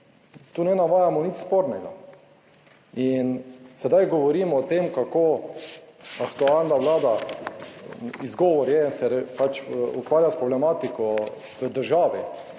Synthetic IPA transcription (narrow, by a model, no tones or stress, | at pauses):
t̪uːnɛnaʋaːjamɔnit͡ʃspoɾnɛɡa̰ | insɛd̪ajɡɔʋɔɾiːmɔːt̪emkakoː | akt̪uaːlnaʋlaːd̪a | izɡɔːʋɔɾjɛnsɛɾpat͡ʃukʋaːɾjaspɾɔblɛmaːt̪ikɔ | kəd̪əɾʒaːʋi